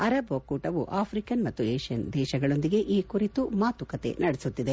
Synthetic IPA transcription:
ɐɾɐbokːuːʈɐʋuʔaːpʰɾikɐnmɐt̪ːueːʃijɐnd̪ɛːʃɐɡɐɭo̞nd̪iɡe̞ʔiːkuɾit̪umaːt̪ukɐt̪e̞̰nɐɽesut̪ːid̪e

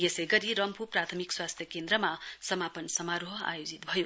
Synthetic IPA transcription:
jesʌjɡʌɾiɾʌmpʰuprat̪ʰʌmikswast̪ʰjʌkend̪ɾʌmasʌmapʌnsʌmaɾoɦa̰jod͡zit̪bʱʌjo

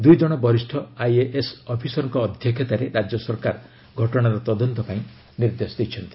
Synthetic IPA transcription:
d̪ujd͡ʒɔɽ̃ɔbɔɾisʈʰɔajeʔesɔpʰisɔɾɔŋkɔːd̪ʱjɔkʰjet̪aɾeɾad͡ʒjɔsɔɾkaɾ | ɡʱɔʈɔɽ̃aɾɔt̪ɔd̪ɔnt̪ɔpaĩ | niɾd̪esɔd̪it͡ʃʰɔnt̪i̥

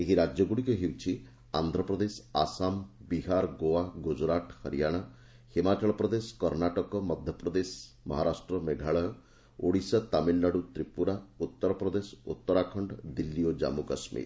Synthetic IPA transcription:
eɦiɾad͡ʒjɔɡuɽikeɦewt͡ʃʰi | a̰nd̪ʱɾɔpɾɔd̪esasambiɦaɾɡowaɡud͡ʒɾaʈhɔɾijaɽ̃a | himat͡ʃɔɭɔpɾɔd̪esɔ̥kɔɾnaʈɔkɔmɔd̪ʱjɔpɾɔd̪es | mɔɦaɾasʈɾɔmeɡʱaɭɔjɔ | oɽisat̪amilːaɽut̪ɾipuɾaut̪ːɔɾɔpɾɔd̪esɔut̪ːɔɾakʰɔɳɖd̪ilːiod͡ʒa̰mukɔsmḭɾ

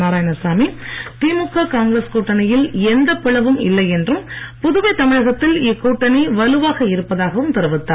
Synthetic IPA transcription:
naːɾaːjɐnɐsaːmit̪iːmʊkːaːkaːŋɡɾɐskuːʈːɐnɐjɪlɛnd̪ɐpːɪɭɐʋɯmɪ̰lːɐɪɛndrɯm | pʊðɯʋɐɪt̪ɐmɪɻɐɣɐt̪ːɪlɪkːuːʈːɐnɐɪʋɐlɯʋaːɣɐɪɾɯpːɐðaːɣɐʋɯmt̪ɪɾɐʋɯt̪ːaː

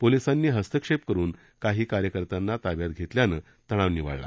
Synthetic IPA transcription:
polisanːiːɦəst̪əkʂep̚kəɾuːn | kaɦiːkaɾjəkəɾt̪anːat̪aʋjat̪̚ɡʱet̪ljanəː | t̪əɽ̃aʋniʋa̰ɭla̰

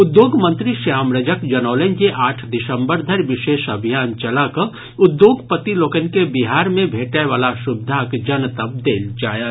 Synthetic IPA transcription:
ʊd̪joːɡmə̃nt̪ɾiʃjaːmɾəd͡ʒəkd͡ʒɐnɔːlenkeʔaːʈʰd̪ɪsə̃mbəɾd̪ʱɐɾʋɪʃeːʃɐbʱijaːnt͡ʃɐlakə | ʊd̪joːɡpət̪iloːkənkebɪɦaːɾmẽbʱeːʈaʋaːlaʃʊbɪd̪ʱaːkd͡ʒɐnt̪əb̚d̪eːld͡ʒaːjaː

